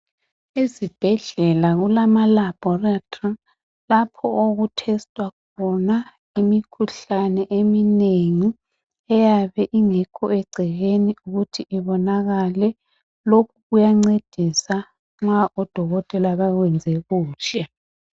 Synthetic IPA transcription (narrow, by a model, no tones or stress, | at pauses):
ezib̥ʱɛɮɛlaɣulamalab̥ʱɔratʰʼa | lapʰɔʔoɣutʰɛstʼwakʰɔna | imikʰuɬanɛʔemineŋi | ɛjaβɛʔiŋɛkʰɔɛɡ͡ǀʱɛɣeniuɣutʰiʔiβɔnaɣalɛ | lokʰuɣujaŋ͡ǀed̥ʱisa | ŋ͡ǁwaʔɔd̥ʱɔɣɔtʼɛlaβaɣwɛnd͡zʱɛɣuːʃʰɛ